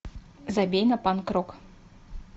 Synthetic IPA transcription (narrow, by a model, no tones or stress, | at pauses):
zabʲejnɐpankɾɔk